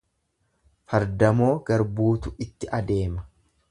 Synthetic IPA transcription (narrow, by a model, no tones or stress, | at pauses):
fɐɾd̪ɐmo̞ːɡɐɾbuːt̪ʊɪt̪ːɪʔɐd̪e̞ːmɐ̥